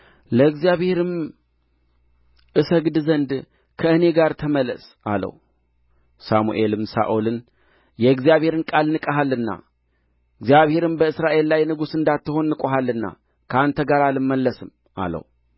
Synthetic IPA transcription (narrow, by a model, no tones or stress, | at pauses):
ləɡzijaβhe̞ɾɨm | ʔɨsəɡd̪zənd̪ | kʰəɨne̞ɡaɾt̪ʰəməlːə̰s | a̰lə̰w | samṵʔe̞lɨmsa̰ʔulɨn | jɛɨɡzijaβhe̞ɾɨnkʼalnɨkʼəɦalːɨnːa̰ | ɨɡzjaβhe̞ɾɨmbəɨsɾaʔe̞lːajnɨɡusɨnd̪at̪ːɨho̞nːɨkʷʼoɦalːɨnːa̰ | kʰəant̪ʰəɡaɾalɨmːəlːəsɨm | a̰lə̰w